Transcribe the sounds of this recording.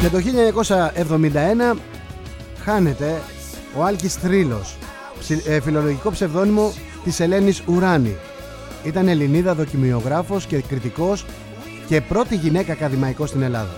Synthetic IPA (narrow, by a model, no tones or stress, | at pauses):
cɐt̪o̞çilɐɲɐko̞sɐe̞vðo̞mind̪ɐe̞nɐ | xɐne̞t̪e̞ | o̞ɐlcist̪ɾilo̞̰s | filo̞lo̞ʝiko̞pse̞vðo̞nimo̞ | t̪ise̞le̞nisuɾɐnḭ | it̪ɐneliniðɐðo̞cimio̞ɣɾɐfo̞scekɾit̪iko̞s | ce̞pɾo̞t̪iʝine̞kɐːkɐðimɐiko̞st̪ine̞lɐðɐ